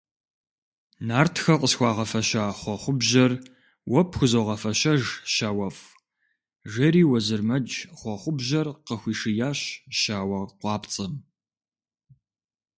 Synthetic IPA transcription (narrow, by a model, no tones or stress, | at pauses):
naːrtʰxɐqəsxʷɑːʁɐfɐʃaːχʷɔχʷʊbʑɐr | wɐpʰxʷʊzoʁɐfɐɕɐʒʃaːwɐf | ʒɐɾiːwɐzɨrmɐd͡ʒχʷɔχʷʊbʑɐrqəxʷiːʂɨjaːɕʃaːwɐrqʷɑːpt͡sʼɐm